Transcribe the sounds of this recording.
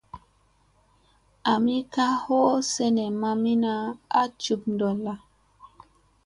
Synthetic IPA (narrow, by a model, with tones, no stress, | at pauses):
a˨mi˦ka˦ho˦se˦ne˨ma˧mi˦na˦a˦t͡ʃu˨pndo˨la˨